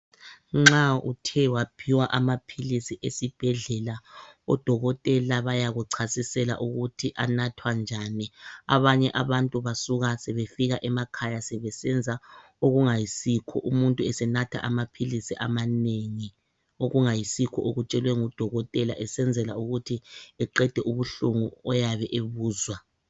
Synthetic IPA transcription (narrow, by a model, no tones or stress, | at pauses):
ŋ͡ǁaṵtʰɛwapʰiwaʔamapʰilisiʔesib̥ʱɛɮɛlaɔd̥ʱɔɣɔtʼɛlaβajaɣuǀʰasisɛla̰ʔuɣutʰiʔanatʰwand͡ʒʱania̰βaɲɛʔaβantʼuβasuɣasɛβefiɣaʔɛmakʰajasɛβɛsɛnd͡zʱa | oɣuŋajisikʰɔ̰ʔumuntʼuɛsɛnatʰa̰ʔamapʰilisiʔamaneŋi | oɣuŋajisikʰɔ̰ʔoɣut͡ʃʼɛlwɛŋud̥ʱɔɣɔtʼɛlaʔɛsɛnd͡zʱɛlauɣutʰiɛǃɛd̥ʱɛʔuβuɬuŋuɔjaβɛʔeβuːzwa